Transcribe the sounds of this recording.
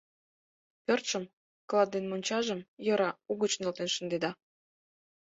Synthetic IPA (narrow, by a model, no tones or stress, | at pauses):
pørt̪ʃəm | klˠɑd̪ːenmonʲt͡ɕɑʒəmjɤ̆ɾɑuɣət͡ɕnelt̪enʃə̆nd̪ed̪ɑ